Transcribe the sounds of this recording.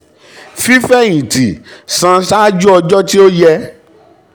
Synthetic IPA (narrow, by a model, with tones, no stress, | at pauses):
fi˦fɛ̃˦˨ĩ˨ti˨sã˧ʃa˦d͡ʒu˦ɔ˧d͡ʒɔ˦ti˦o˦jɛ˧